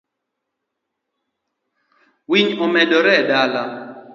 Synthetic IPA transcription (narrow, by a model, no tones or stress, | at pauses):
wiɲɔmɛdɔɾɛdala